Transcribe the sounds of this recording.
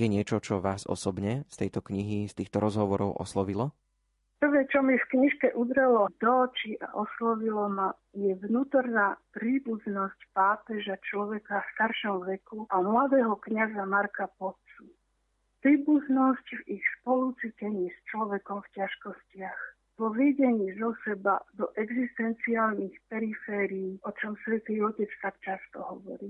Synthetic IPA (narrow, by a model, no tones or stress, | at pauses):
jɛɲɪɛt͡ʃɔt͡ʃɔʋaːzɔ̰sɔbɲɛst̪ɛjt̪ɔkɲiɦist̪iːxt̪ɔɾɔzɦɔʋɔɾɔʊʔɔ̰slɔʋilɔ | pr̩ʋɛːt͡ʃɔmjɛfkɲiʃkɛʔud̪ɾɛlɔd̪ɔːt͡ʃiʔa̰ʔɔslɔʋilɔma | jɛʋnuːt̪ɔɾnaːpɾiːbuznɔscpaːpɛʒat͡ʃlɔʋɛkafst̪aɾʃɔmʋɛkuʔamlad̪ɛːɦɔkɲazamaɾkapɔp̚t͡su | pɾiːbuznɔscvixspɔlut͡sicɛɲiːst͡ʃlɔʋɛkɔmfcaʃkɔscɪax | vɔʋɛɟɛɲiːzɔsɛbad̪ɔʔɛɡzist̪ɛnt͡siaːlnixpɛɾifɛːɾiiːʔɔt͡ʃɔmsʋɛt̪iːɔcɛt͡st̪akt͡ʃast̪ɔɦɔʋɔ̰ɾiː